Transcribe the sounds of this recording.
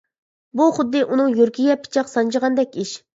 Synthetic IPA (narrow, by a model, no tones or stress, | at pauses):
buχʊd̪ːɨʔunɨŋjøɾkʲʰijʲɛpʰɪ̥t͡ʃʰɑqsɑnt͡ʃʰəʁɑnd̪ɛkʲiʃ